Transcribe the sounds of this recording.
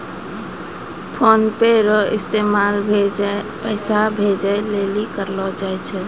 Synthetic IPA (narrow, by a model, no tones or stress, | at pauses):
pʰonpeɾɔḭst̪emalbʱed͡ʒapəɪsabʱed͡ʒaelelikəɾlɔd͡ʒajt͡ʃʰɛ